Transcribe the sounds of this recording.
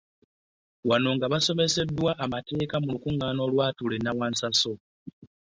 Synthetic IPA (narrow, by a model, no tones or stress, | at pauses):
wano̞ŋɡaβaso̞me̞se̞dːwaʔːmate̞ːkamulukuŋːaːno̞lwaːtule̞nawansaso̞